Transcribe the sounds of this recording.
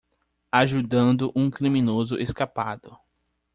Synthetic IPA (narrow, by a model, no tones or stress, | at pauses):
aʒud̪ɐ̃nd̪ʊʔũkɾimĩnozʊʔeskapad̪ʊ